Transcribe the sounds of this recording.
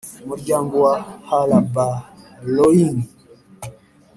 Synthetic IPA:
mud͡ʒambuwahalaba | loini

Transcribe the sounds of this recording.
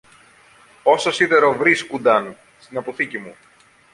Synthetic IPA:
o̞sosiðeɾo̞vɾiskund̪ɐn | st̪inɐpoθicimu

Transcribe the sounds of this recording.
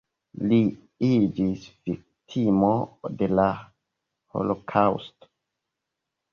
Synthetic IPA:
li | id͡ʒisv̥ik̚tʰimode̞la | ho̰lokʰawsto̥

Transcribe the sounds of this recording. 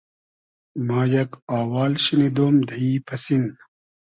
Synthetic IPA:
maːjɐkaːwaːlɕinid̪oːmd̪ɐipʰɐsin

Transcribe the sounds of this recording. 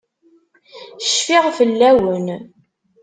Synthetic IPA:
ʃfiʁfəlːæwən

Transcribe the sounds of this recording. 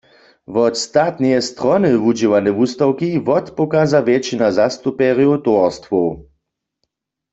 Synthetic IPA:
vɔt̪st̪at̪nijɛst̪ʁɔnɨvud͡ʒiwanɛvust̪awkivɔt̪pɔkazavjɛt͡ʃinazast̪upɛʁjowt̪ɔɔst̪wɔw

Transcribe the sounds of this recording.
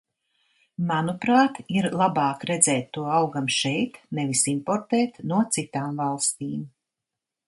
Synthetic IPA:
manupɾaːt̪iɾlˠabɑːkɾɛd̪zɛːt̪ːuɔawɡamʃɛjt̪nɛvisimpɔɾt̪ɛːt̪nuɔt̪sit̪aːmvalˠst̪iːm

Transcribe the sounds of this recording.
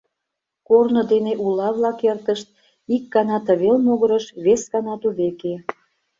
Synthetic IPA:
kornŏd̪eneʔulɑβlɑkert̪əʃt̪̚ | ikːɑnɑt̪əβelmoɣəɾəʃβeskɑnɑt̪uβeke

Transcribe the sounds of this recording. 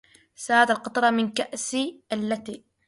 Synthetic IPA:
saːd̪alqɑt̪ˤɑɾˤɑmɪnkaʔsiʔalːat̪i

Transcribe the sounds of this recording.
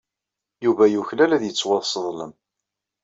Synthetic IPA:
juvæjuçlælæðjət͡sːwɑðˤsəðˤlə̰m

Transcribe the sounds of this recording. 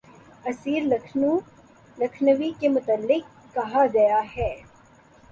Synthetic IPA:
ɐsiːɾlɐkʰnu | lɐkʰnəʋikemʊt̪əlːɪk̚ːɐɦaɡɐjaɦɛː

